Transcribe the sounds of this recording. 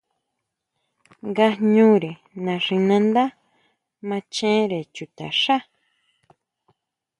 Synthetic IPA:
ŋɡa˧ɲũ˦ɾe˨ | nã˨ʂĩ˧nã˧nd̪a˦ | mã˧t͡ʃẽ˦ɾe˨t͡ʃu˨t̪a̰˨ʂa˦

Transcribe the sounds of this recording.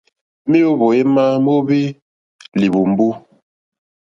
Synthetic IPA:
mi˦o˦bo˨e˦ma˦m˦o˦bi˦ | li˨bu˨m˦bu˦

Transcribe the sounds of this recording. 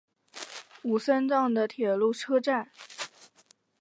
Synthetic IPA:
u˨˩sa˥nt͡sɑ˥˩ŋd̪ə˩t̪ʰjɛ˨˩lu˥˩ʈ͡ʂʰɤ˥ʈ͡ʂa˥˩n

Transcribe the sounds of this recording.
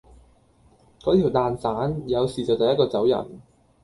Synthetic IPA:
kɔː˨˥t̪ʰi˨˩wt̪aː˨nsaː˨˥njɐ˨˧wsiː˨t͡sɐ˨wt̪ɐ˨jɐ˥t̚kɔː˧t͡sɐ˨˥wjɐ̰˨˩n

